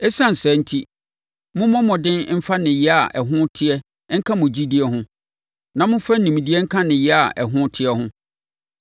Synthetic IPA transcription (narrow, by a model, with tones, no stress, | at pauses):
ɛ˦sã˦n̩˨sɛ˨˦n̩˦tʰi˦ | mʊ̃˦mɔ̃˦mɔ̃˨dɪ̃˦nm̩˦fa˦nɪ̃˨jɛ˦a˨ʔɛ˨ɦʊ̃˦tʰɪ˦ɛ˦ | ŋ̩˦kʰã˦mʊ̃˨d͡ʑi˦di˦ɛ˦ɦʊ̃˦ | nã˨mʊ̃˦fa˦n̩˨nĩ˨m˨di˦ɛ˦ŋ̩˦kʰã˦nɪ̃˨jɛ˦a˨ʔɛ˨ɦʊ̃˦tʰɪ˦ɛ˦ɦʊ̃˦